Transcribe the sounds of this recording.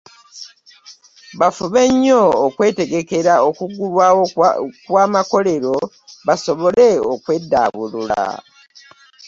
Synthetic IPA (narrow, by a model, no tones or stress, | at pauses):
βafuβe̞ɲːoːkwe̞ːte̞ɡe̞ke̞ɾaokuɡulwawkwaːmako̞le̞ɾo̞ | βaso̞βo̞le̞okwe̞dːa̰βulul̰a̰